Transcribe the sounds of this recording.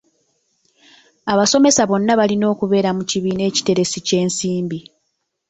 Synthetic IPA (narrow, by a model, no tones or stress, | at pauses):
aβaso̞me̞saβo̞nːaβalino̞ːkuβe̞ːɾamuciβiːne̞ːci̥te̞ɾe̞sice̞ːnsiːmbi